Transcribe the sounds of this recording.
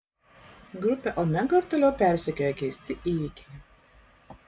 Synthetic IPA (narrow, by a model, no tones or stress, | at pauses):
ɡɾʊpʲɛʔɔmʲɛɡoɪɾt̪oːlʲɛʊpʲæˑɾʲsʲɛkʲoːjɛkʲɛɪsʲt̪ʲɪʔiːʋʲɪkʲɛɪ